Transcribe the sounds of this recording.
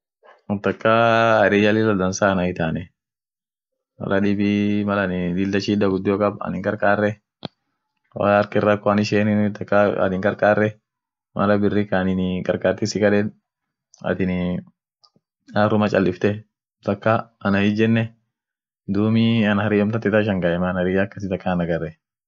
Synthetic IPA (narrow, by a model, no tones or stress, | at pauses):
ʊt̪ɐkːaɐɾɛjalɪlɐd̪ɐnsaːnɐɪt̪aːnɛ | mɐ̰lɐᶑɪbimɐlɐnɪd̪ɪld̪ɐʃiːd̪ɐɡʊd̪ːɪjɔkʼɐbɐ̰nɪŋkʼɐɾkʼaːrːɛ | wa̰ːɾkɪrːɐkːɔɐnɪʃɛːnɪt̪ɐkːaɐ̰nɪŋkʼɐɾkʼaːrːɛ | mʔɐ̰lɐbɪrːɪkanɪnkʼɐɾkʼaːɾt̪ɪsɪkɐᶑɛn | ɐ̰t̪ɪn | aːrʊmɐt͡ʃʼɐlːɪft̪ɛ | t̪ɐkːaɐnɐjɪd͡ʒɛnːɛ | d̪uːmɪɐnhɐɾɪʔɔmt̪ɐt̪ːɪt̪aɪʃ̬ɐŋɡɐʔɛmanɐɾɪjakːɐs̬ɪt̪ɐkːɐnɐɡɐrːɛ